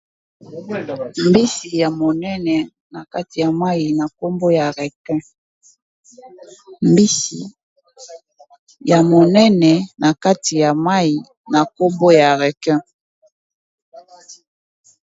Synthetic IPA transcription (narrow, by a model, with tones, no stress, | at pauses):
m˨bi˦si˨ja˨mo˨nɛ˦nɛ˨ | na˨ka˦ti˨ja˨ma˦i˨na˨ko˦mbo˦ja˨ʁɛ˨kɛ̃˦ | mbi˦si˨ | ja˨mo˨nɛ˦nɛ˨na˨ka˦ti˨ja˨ma˦i˨ | na˨ko˦mbo˦ja˨ʁɛ˨kɛ̃˦